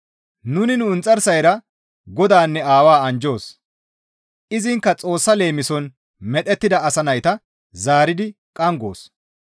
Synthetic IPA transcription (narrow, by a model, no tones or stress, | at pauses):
nʊnɪnʊʊnt͡sʼːɐɾsɐjɾɐ | ɡɔd̪aːnːɛaːwaːɐnd͡ʒo̞ːs | ʔɪzɪŋkːɐt͡sʼo̞ːsːɐle̞ːmɪsɔn | mɛt̪ɛt̪ːɪd̪ɐɐsɐnɐjt̪ɐ | zaːɾɪd̪ɪkʼɐŋɡoːs